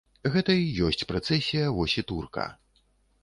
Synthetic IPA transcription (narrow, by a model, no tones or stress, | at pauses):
ɣɛt̪ɐijɔsʲt͡sʲpɾɐt̪sɛsʲijɐvɔsʲit̪urkɐ̰